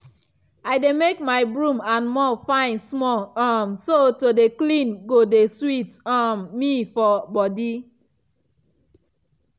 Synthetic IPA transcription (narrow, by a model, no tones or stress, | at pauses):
aɪdemekmaɪbɹũmãnmɔfãɪ̃nsmɔlamsotodeklĩnɡodeswitamːifɔbɔdi